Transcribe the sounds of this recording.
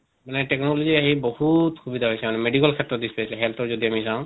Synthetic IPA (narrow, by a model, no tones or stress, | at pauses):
maneʈeknolod͡ʒiaɦibɔhut̪xubid̪ʱaɦojsʰɛmanemeɖikalkʰet̪ːɾɔt̪̚d̪isʰpajsʰlɛɦɛlt̪ʰɔd͡ʒɔd̪iamisãw̃